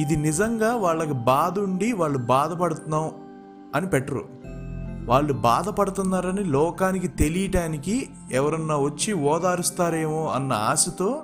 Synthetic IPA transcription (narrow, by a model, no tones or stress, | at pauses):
id̪inizɐŋɡaːʋaːɭːɐkibaːd̪uɳɖiʋaːɭːubaːd̪ɐpɐɽut̪unːaːm | ɐnipɛʈːɐɾṵ | ʋaːɭːubaːd̪ɐpɐɽut̪unːaːɾɐnilɔːkaːnikit̪e̞lijɐʈaːniki | ɛʋɐɾɐnːaːʋɐt͡ʃːiɔːd̪aːɾust̪aːɾe̞ːmoːɐnːɐ̰aːsɐt̪o̞ː